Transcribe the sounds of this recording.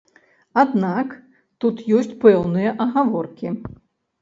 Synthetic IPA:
ad̪nak | t̪ut̪jɔsʲt͡sʲpɛwnɨjɐʔɐɣavɔrkʲi

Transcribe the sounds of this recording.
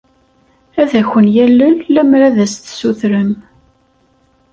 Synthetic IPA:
æðæçənjælːəlːæmɾæðæst̪suθɾəm

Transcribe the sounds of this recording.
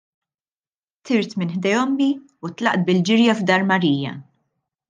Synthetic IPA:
t̪ʰɪɾt̪mɪnħd̪ɛjɔmːi | ut̪lɐʔt̪̚bɪld͡ʒɪɾjɐvd̪ɐːɾmɐɾiːjɐ̰

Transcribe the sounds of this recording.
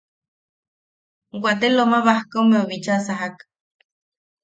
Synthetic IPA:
ɡʷat̪elomaβahkomeoβit͡ʃasaɦak

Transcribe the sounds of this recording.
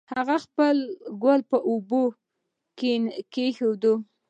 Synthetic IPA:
haɣaxpəlɡwalpəʔubo | kenkexod̪u

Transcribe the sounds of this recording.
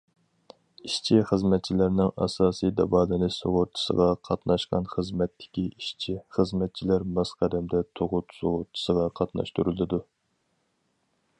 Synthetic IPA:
iʃt͡ʃʰiχəzmɛt̪̚t͡ʃʰilæɾnɪŋɑ̰sɑːsijd̪ɑ̰bɑːd̪ɨnɨso̰ʁʊɾt̪ʰːɨ̥sə̰ʁɑqʰɑt̪nɑʃqɑ̰nχəzmɛt̪ʰːɪ̥kʲiʔiʃt͡ʃʰiχəzmɛt̪̚t͡ʃʰilæɾmɑzqʰæd̪ɛmd̪ɛt̪ʰoʁʊt̪soʁʊɾt̪ʰʊ̥səʁɑqʰɑt̪nɑ̰ʃt̪uɾulˠɨd̪u

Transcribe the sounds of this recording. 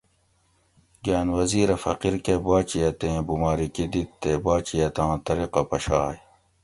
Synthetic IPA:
ɡaːnwɐziːɾɐfɐ̰qiɾkebaːt͡ɕijɐt̪ẽːbumaːɾikid̪it̪ːebaːt͡ɕijɐt̪ãːt̪ɐɾiqɐpɐɕaːj

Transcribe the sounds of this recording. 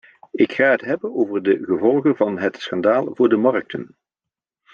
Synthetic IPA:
ɪkχaːɦətɦɛbənowvərdəɣəvɔlˠɣənvɑnɦətsχɑndaːlˠvʊːɹdəmɑrk̚tʰən

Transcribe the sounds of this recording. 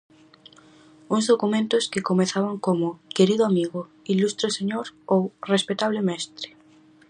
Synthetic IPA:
uŋzðokumẽnt̪ʊskekomeθaβaŋkomokeɾiðʊamiɣʊ | ilust̪ɾoseɲoɾowrespet̪aβlemɛst̪ɾɪ̥

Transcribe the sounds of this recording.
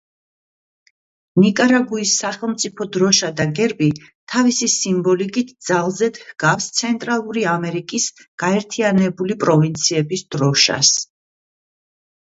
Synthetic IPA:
nikʼaɾaɡuisːaχɛlˠmt̪sʼipʰɔd̪ɾɔʃad̪aɡɛɾbi | t̪ʰavisisimbɔlikʼit̪ʰd̪z̥alˠzɛd̪hɡ̥afst̪sʰɛnt̪ʼɾalˠuɾiamɛɾikʼisɡ̥aɛɾt̪ʰianɛbulipʼɾɔvint̪sʰiɛbisd̪̥ɾɔʃa̰s

